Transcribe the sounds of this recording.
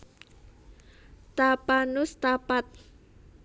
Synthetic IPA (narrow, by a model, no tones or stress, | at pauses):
t̪apanʊst̪apat̪̚